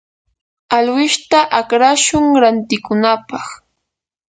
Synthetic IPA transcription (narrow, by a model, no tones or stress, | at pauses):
alwɪʃt̪aʔakɾaʃʊŋɾant̪ɪkʊnapɑχ